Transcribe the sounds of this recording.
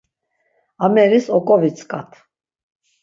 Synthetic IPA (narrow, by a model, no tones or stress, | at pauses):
amɛɾisɔkʼɔvit͡sʰkʼat̪ʰ